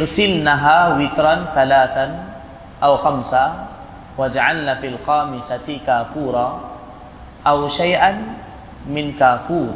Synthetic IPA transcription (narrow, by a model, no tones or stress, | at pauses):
ʔɪɾsɪlnaɦaːwɪt̪ɾˤɑnθalaːθa | ʔawxamsa | wad͡ʒaʕalnafiːlxaːmɪsakaːfuːɾˤɑ | ʔawʃajʔan | mɪnkaːfuːɾ